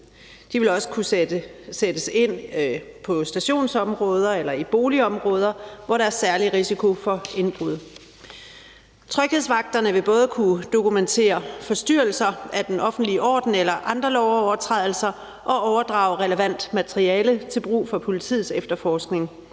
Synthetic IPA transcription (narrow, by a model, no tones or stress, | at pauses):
d̥iʋe̝lɒ̽sə̥kʰu | sed̥əse̝n̰pʰɒ̽sd̥æɕo̝̰ːnsɒ̽mʁɔ̽ːð̞ˠɐelɐib̥o̝ːliɒ̽mʁɔ̽ːð̞ˠɐʋɒɾɑæɐsæɐliʁisikʰo̝fɒ̽e̝nb̥ʁuð̞̰ˠ | t͡sʰʁœɡ̥heð̰ˠsʋɑ̈ɡ̥̚d̥ɐnəʋe̝b̥ɔ̽ːð̞̩ˠkʰud̥o̝kument͡sʰe̝̰ːɐfɒ̽sd̥yɐ̰l̩sɐæd̥enʔɒ̽fn̩d̥liʔɒ̰ːd̥n̩elɐʔɑ̈nd̥ʁɐlɒʊɒʊɐt͡sʰʁɛðˠl̩sɐ | ʔɒ̽ʔɒʊɐd̥ʁɑ̰̈ːʊʁɛləʋæn̰d̥mæt͡sʰʁiɛːlət͡sʰe̝lb̥ʁṵːfɒ̽pʰo̝lit͡sʰḭð̩ˠsefd̥ɐfɒːsɡ̥ne̝ŋ